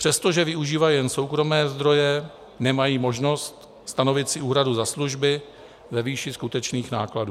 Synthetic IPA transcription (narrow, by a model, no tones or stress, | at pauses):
pr̥ɛst̪o̞ʒɛvɪuʒiːvajjɛnso̞wkɾo̞mɛːzd̪ɾo̞jɛ | nɛmajiːmo̞ʒno̞st̪ | st̪ano̞vɪt̪sɪuːɦɾaduzasluʒbɪ | vɛviːʃɪskut̪ɛt͡ʃniːxna̰ːkladu